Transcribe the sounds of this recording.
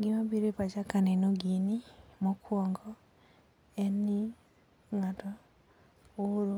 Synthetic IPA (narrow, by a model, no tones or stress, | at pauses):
ɡimabiɾepat͡ʃakanenoɡinimokʰwɔŋɡɔ | ɛni | ŋatɔ | oɾo